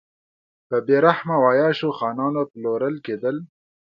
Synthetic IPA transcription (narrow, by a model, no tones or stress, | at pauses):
pəbeɾahmawaːjɑːʃoxɑːnɑːnoploɾəlkeːd̪əl